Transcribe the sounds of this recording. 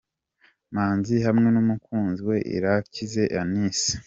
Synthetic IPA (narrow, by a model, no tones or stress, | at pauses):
maːnzihamŋe̞numukʰuːnziwe̞ʔḭɾacize̞ʔaniːsi̥